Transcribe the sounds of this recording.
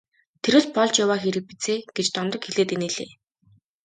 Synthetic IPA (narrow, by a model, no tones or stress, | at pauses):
t̪ʰeɾɘ̆ːɮpɔɮt͡ɕjawaːxeɾɘ̆k̚pi̥t͡seːɡ̥et͡ɕt̪ɔnt̪ɞ̆kxeɮeːt̪eneːɮḛː